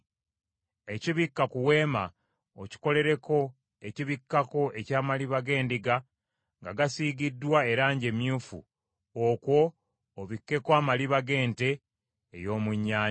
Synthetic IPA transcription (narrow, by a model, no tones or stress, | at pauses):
e̞ciβikːakuwe̞ːma | oci̥ko̞le̞ɾe̞ko̞ | e̞ciβikːako̞e̞caːmaliβaɡe̞ːndiɡa | ŋɡaɡasiːɡidːwae̞ɾaːɲɟe̞mjuːfṵ | okwo̞ː | βikːe̞kwaːmaliβaɡe̞ːnte̞̰ː | jo̞ːmuɲːaː